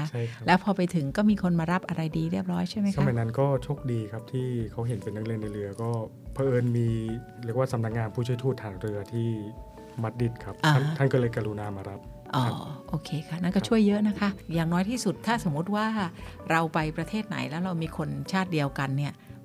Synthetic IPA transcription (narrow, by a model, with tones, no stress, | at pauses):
a˥t͡ɕʰa˥˩jlɛː˦˥wpʰɔː˧pa˧jt̪ʰɯ˩˦ŋkɔː˥˩miː˧kʰo˧nmaː˧ɾa˦˥p̚ʔa˧ɾa˧jdiː˧ɾi˥˩əp̚ɾɔː˦˥jt͡ɕʰa˥˩jma˦˥a˧ma˧jna˦˥nkɔː˥˩t͡ɕʰo˦˥k̚diː˧kʰp̚t̪ʰiː˥˩kʰa˦˥wɦe˨˩˦npe˧nːa˦˥k̚lɯ˧əna˧jɾɯ˧ɐkɔː˥˩ | pʰaː˧ʔɤː˧nmiː˧ | ɾi˥˩ək̚waː˥˩sa˧˦mna˦˥k̚ŋaː˧npʰu˥˩t͡ɕʰu˥˩jt̪ʰuː˥˩t̪ʰːaː˩˦ŋɾɯ˧ɐt̪ʰiː˥˩ | ma˦˥t̪̚di˧˥˩t̪̚kʰa˦˥p̚aː˧˥˩a˥˩nkɔ˥lɤː˧jka˧ɾu˧naː˧maː˧ɾa˦˥p̚ | ʔɔː˧˩ʔoː˧kʰeː˧kʰa˥na˥˩kɔː˥˩t͡ɕʰu˥˩əjːɤ˦˥ʔna˦˥kʰa˦˥ʔjaː˨˩ŋnɔː˦˥jt̪ʰiː˥˩su˨˩t̪ʰːaː˥˩so˨˩˦mu˦˥t̪̚waː˥˩ɾa˧wpa˧jpɾa˧t̪ʰeː˥˩t̪̚na̰˩˦jlɛː˦˥wɾa˧wmiː˧kʰo˧nt͡ɕʰaː˥˩t̪̚di˧əwka˧nːi˥˩ɐ